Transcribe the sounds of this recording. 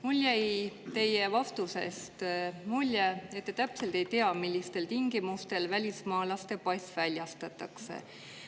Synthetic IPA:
mulʲjæjt̪e̞jevɑft̪use̞̰st̪mulʲjeet̪ːet̪æpse̞lt̪e̞jt̪eɑmilʲːist̪e̞lt̪iŋɡ̥imust̪e̞lvælʲismɑːlɑst̪e̞pɑjsvælʲjɑst̪ɑt̪ːˑɑksḛ

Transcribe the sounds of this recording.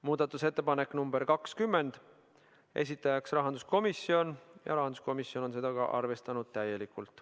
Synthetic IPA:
muːd̪̥ɑt̪ːˑuse̞t̪ːe̞pɑne̞kːˑnumbeɾkɑkskymːe̞nd̪̥ | e̞̰s̬it̪ːˑɑjɑksrɑɦɑnd̪usko̞misːio̞njɑ̰ɾɑɦɑnd̪u̥sko̞misio̞no̞ns̬e̞d̪ɑɡ̥ɑ̰ʔɑ̰rve̞st̪ɑnud̪̥̚t̪æje̞likult̪ˑ

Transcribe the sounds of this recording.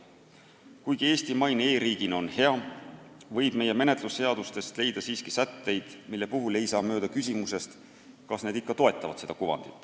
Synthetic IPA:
kujɡ̥ie̞ːst̪imɑjne̞ːɾiːɡ̥ino̞nhe̞ɑ | vɤ̞jb̥̚me̞je̞me̞ne̞t̪lusːe̞ɑd̪ust̪e̞st̪le̞jd̪̥ɑsiːskisæt̪ːe̞jd̪̥milːe̞puɦule̞jsɑːmø̞ːd̪̥ɑkys̬ʲimuse̞st̪ | kɑsne̞d̪ikːɑt̪o̞e̞t̪ːˑɑvɑ̰d̪se̞d̪̥ɑkuvɑ̰nd̪̥ḭt̪ːˑ

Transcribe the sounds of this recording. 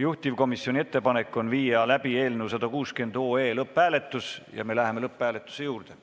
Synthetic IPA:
juht̪ʲivko̞misio̞nʲie̞t̪ːe̞pɑne̞kːˑo̞nviːjɑlæb̥ie̞ːlnuwsɑd̪̥ɑkuːske̞nd̪̥o̞ːeːlɤpːˑæːle̞t̪ˑːusjɑ̰me̞læɦeme̞lɤpˑːæːle̞t̪ˑːu̥se̞juːrd̪̥e̞

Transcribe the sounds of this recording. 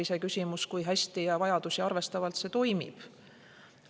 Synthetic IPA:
ise̞kysʲimuskujɦæsʲt̪ijɑvɑjɑd̪̥usiɑrve̞st̪ɑvɑlt̪se̞t̪o̞jmḭb̥

